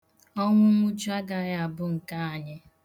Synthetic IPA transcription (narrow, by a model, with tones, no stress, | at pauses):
ɔ˦ŋʷʊ˦ŋʷʊ˦d͡ʒu˦a˦ɡa˨ja˨a˨bʊ˦ŋ̩˨ka˦a˨ɲɪ˦